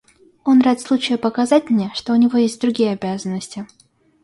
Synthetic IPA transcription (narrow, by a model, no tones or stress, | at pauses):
o̞nraɪt̪slˠut͡ɕɪjʊpəkazatʲmnʲeʂt̪o̞ʊnʲɪvo̞jesʲt̚ʲd̪ɾʊɡʲijəɐbʲazənːəsʲtʲɪ